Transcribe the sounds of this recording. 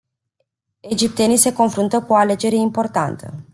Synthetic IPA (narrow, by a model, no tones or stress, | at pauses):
e̞d͡ʒip̚t̪e̞nijse̞ko̞nfɾunt̪əkuoale̞d͡ʒe̞ɾe̞impo̞rt̪a̰nt̪ʰə̰